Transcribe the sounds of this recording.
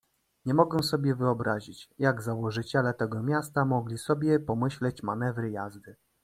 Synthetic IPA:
ɲɛmɔɡɛw̃sɔbʲjɛvɘɔbɾaʑit͡ɕjaɡzawɔʐɘt͡ɕɛlɛt̪ɛɡɔmʲjast̪amɔɡlʲisɔbʲjɛpɔmɘɕlɛt͡ɕmanɛvɾɘjazd̪ɘ

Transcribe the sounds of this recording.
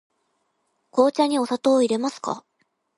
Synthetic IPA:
ko̞ːt͡ɕaɲ̟io̞sat̪o̞ːiɾe̞masɨ̥ka̰

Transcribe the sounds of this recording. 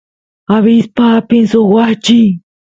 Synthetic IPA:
aβispapinsoxwaht͡ʃi

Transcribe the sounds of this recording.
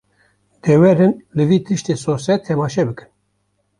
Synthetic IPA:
d̪̥ɛwɛɾɨnlɨviːt̪ʰɨʃt̪eːsosɛt̪ʰːɛmɑːʃɛbɨkɨ̥n

